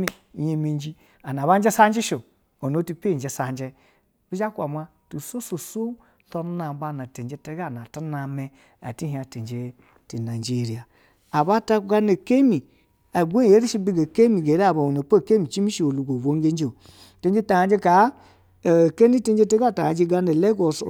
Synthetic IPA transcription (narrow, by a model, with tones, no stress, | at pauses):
mi˦˨ | je˨me˨n˦d͡ʒi˦ | a˨na˨βa˦n˦d͡ʒe˦sa˦n˦d͡ʒe˦ʃo˨ | o˨no˨˦tu˦pe˦˨d͡ʒe˨sa˨nd͡ʒe˦ | bi˦d͡ʒa˦kʷa˨ma˦ | tu˨so˦so˨so˦ | to˦na˨˦ba˦na˨te˨˦d͡ʒe˦te˦ɡa˦˨na˨ta˦na˨me˦ | a̰˨ti˦ɦi˨˦a˨te˨n˨d͡ʒe˨ | te˨na˨d͡ʒe˦˨ɾi˨a˨ | a˨ba˦ta˦ɡa˦ne˨ke˦mi˨ | a˨ɡʷe˦˨e˦ɾi˦ʃi˦bi˦ɡa˨ke˦mi˨ɡe˨ɾa˦˨ba˨o˨no˨pa˦˨ke˦mi˨t͡ʃi˦mi˦ʃi˨o˨lu˨ɡo˨vo˨˦ŋ˦e˦n˦d͡ʒe˦˨o˨ | te˦nd͡ʒe˦ta˨ja˨n˦d͡ʒe˦ka˨˦˨ | ke˦ni˦te˦n˦d͡ʒe˦te˦ɡa˦˨ta˨a˨d͡ʒe˦ɡa˦ne˨le˦ɡo˨s